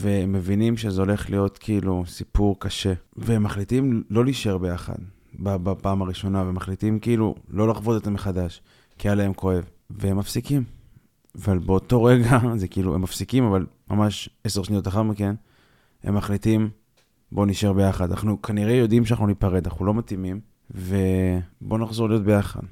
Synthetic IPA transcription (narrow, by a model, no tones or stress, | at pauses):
vemːe̞vinimʃezeo̞le̞χlijo̞t̪kʰiilusipuʁkaʃe̞veemːaχlitimlo̞liʃe̞ʁbe̞jaχa̰d | babapaːmaʁiʃo̞naveemaχlitimkiilṵlo̞laχvo̞det̪ameχadaʃ | kialaemkʰo̞e̞v | veemːafsikim | avalbeoto̞ʁe̞ɡazekiiluemːafsikimavalmamaʃese̞ʁʃnijo̞taχaʁmike̞n | hḛmːaχlitim | bo̞niʃeʁbe̞jaχad̪anaχnukʰaniʁe̞jo̞d̪imʃ̬eanaχnunipaʁed̪ana̰χnulo̞matimim | ve̞bo̞naχzo̞ʁlijo̞t̚be̞jaχa̰d̪